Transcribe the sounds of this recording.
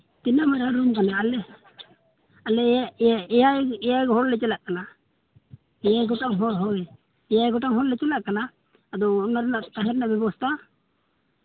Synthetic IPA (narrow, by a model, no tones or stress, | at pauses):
t̪inamaɾaɾunkanaːlɛ | alɛaɛjaɛjaɡɦɔɾlɛt͡ʃɛlaʔkana | ɛjaɡɔʈaŋɦɔɾɦɔɛ | ɛjaɡɔʈaŋɦɔnlɛt͡ʃɛlaʔkanaː | d̪ɔːnːaɾnaʔt̪aɦɛɾnabɛbɔst̪a